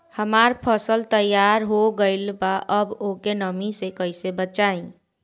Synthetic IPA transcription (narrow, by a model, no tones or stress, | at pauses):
həmaɾpʰəsəlt̪əjaɾɦoɡəɪlbaʔəbokenəmisekəɪsebət͡ʃaĩ